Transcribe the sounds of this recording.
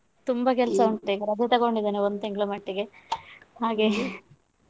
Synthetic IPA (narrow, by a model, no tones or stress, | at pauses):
t̪umbɐkɛlsɐuɳʈt̪eɡɐɾɐd̪ʱet̪ɐɣo̞ɳɖid̪eːneond̪ut̪eŋɡɐɭumɐʈːiɡe̞ɦaːɡe